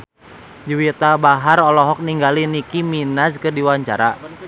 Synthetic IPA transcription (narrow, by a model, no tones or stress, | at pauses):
d͡ʒiwit̪abaɦaɾɔlɔɦɔk̚niŋɡalinikiminaskɨrdiwaɲt͡ʃa̰ɾa